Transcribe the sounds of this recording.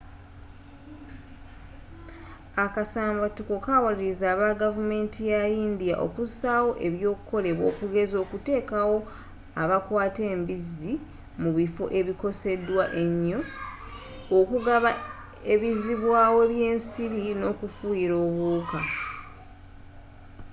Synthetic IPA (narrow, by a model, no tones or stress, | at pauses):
akasaːmbatuko̞kawaliɾizaːβaɡavume̞ːntijajiːndija̰ʔo̞̰kusawo̞ʔe̞βjo̞ːkuko̞le̞βwoːkuɡe̞zo̞ːkute̞ːkawo̞ | aβakwaːte̞ːmbizi | muβifo̞̰ʔe̞βiko̞se̞dwaʔe̞ɲːo̞ | okuɡaβa | e̞βiziβwaːwoeβje̞ːnsiɾino̞kufujiɾo̞ːβuːka